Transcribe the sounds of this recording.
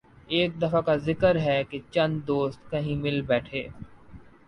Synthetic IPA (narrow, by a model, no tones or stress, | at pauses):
eːk̚d̪ɐfakazɪkəɾɦɛket͡ʃɐ̃nd̪d̪oːst̪kɐɦĩmɪlbɛːʈʰeː